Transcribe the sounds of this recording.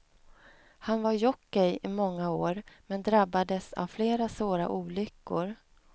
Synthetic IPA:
hanvaɾjɔkːɪjɪmɔŋːaoːɾmɛnd̪ɾabːad̪əsa̰vfleːɾasvoːɾa̰ʔuːlʏkːʊɾ

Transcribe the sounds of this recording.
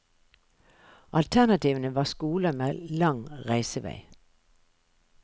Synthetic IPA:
ʔɑlt̪ʰæʁnɑt̪ʰiːʋənəʋɑːskuːləmeːlɑŋʁæɪsəʋæ̰ɪ

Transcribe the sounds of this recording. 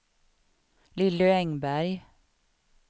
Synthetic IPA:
lɪləɛŋbæɾ

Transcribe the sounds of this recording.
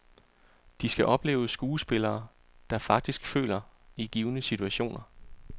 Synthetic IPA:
d̥isɡ̥æʔɒ̽b̥le̝̰ːʊsɡ̥uːsb̥e̝lɐː | d̥ɑ̈fɑ̈ɡ̥̚d̥isɡ̥fø̰ːlɐiɡ̥iːʊnəsit͡sʰuæɕo̝̰ːnɐ

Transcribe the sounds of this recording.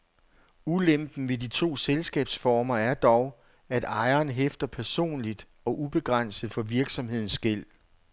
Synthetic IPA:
ulemb̥n̩ʋe̝dit͡sʰo̝̰ːselsɡ̥ɛ̰ːb̥sfɒːmɐæɐd̥ɒʊ | æd̥ɑ̈ɪɐːnɦefd̥ɐpʰæɐso̝̰ːnlid̥ | ɒ̽ʔub̥e̝ɡ̥ʁɑn̰sð̞̩ˠfɒ̽ʋiɐɡ̥sɒ̽mhe̝ð̰ˠn̩sɡ̥el̰

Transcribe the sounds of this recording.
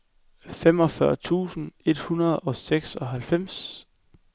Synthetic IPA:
fem̰ɒ̽fɶɐt͡sʰṵːsn̩e̝d̥hunɐð̞̩ˠɒ̽seɡ̥sɒ̽ɦælfem̰s

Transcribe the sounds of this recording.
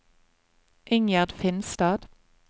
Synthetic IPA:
ʔʏŋjæʁd̪fɪnst̪ɑːd̪̥

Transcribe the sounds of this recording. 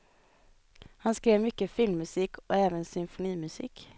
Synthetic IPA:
hɑnskɾeːʋmʏkəfɪlmːʉsɪkʰo̰ːeːʋənsʏmfʊniːmʉsɪ̰k

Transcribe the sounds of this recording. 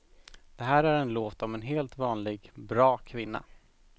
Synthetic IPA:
d̪̥ɛɦæːɾæɾɛnloːt̪ɔmɛnɦeːlt̪vɑːnlɪɡbɾɑːkʰvɪnːa̰

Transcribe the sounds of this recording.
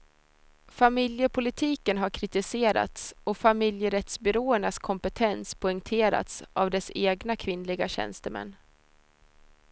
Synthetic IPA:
famɪljəpʰʊlɪt̪ʰiːkənɦaɾkʰɾɪt̪ɪseːɾa̰t̪sɔfamɪljəɾɛt̪sbʏɾoːəɳaskʰɔmpət̪ʰɛnspʰɔɛŋt̪ʰeːɾa̰t̪sʔavd̪ɛseːɡnakʰvɪnlɪɡaɕɛ̰nst̪əmɛ̰nː

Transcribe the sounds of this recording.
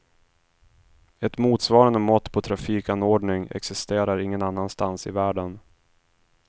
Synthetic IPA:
ɛt̪muːt̪svɑːɾand̪əmɔt̪ːpʰɔt̪ʰɾafiːkanoːɖɳɪŋɛ̰ksɪst̪eːɾaɾɪŋːənanːanst̪ansɪ̰væːɖən

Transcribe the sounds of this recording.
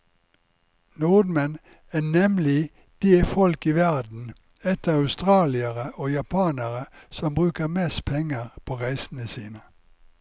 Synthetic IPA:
nuːd̪mɛn | æːnɛmlɪ | d̪̥eːfɔlkiːʋæʁd̪n̩ | ɛt̪əœʉst̪ʁɑːlɪəʁəʔoːjɑpʰɑːnəʁəsɔmbʁʉːkəʁmɛspʰɛŋəʁpʰoːʁæɪsn̩əsiːnə

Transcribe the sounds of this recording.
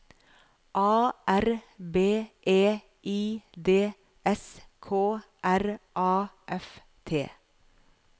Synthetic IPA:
ʔɑːʔæɾbeːʔeː | ʔiːd̪eː | ʔɛskʰoː | ʔæɾʔɑːʔɛf | t̪ʰeː

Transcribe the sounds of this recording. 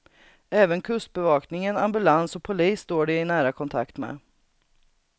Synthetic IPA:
ɛːvənkʰɵst̪̚bɛvɑːknɪŋənambɵlansɔpʰʊliːsːt̪oːɖɛɪnæːɾakʰɔnt̪ʰa̰kt̪mɛ̰ː

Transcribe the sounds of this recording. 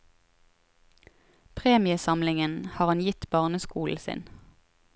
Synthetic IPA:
pʰʁeːmɪəsɑmlɪŋənhɑːʁɑnjɪt̪bɑʁnəskuːl̩sɪ̰n

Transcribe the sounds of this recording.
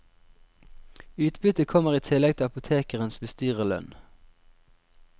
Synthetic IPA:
ʉːt̪bʏt̪əkʰɔməʁiːt̪ʰɪlɛɡ̚t̪ʰɪɑpʊt̪ʰeːkəʁənsbəst̪yːʁəlœ̰n

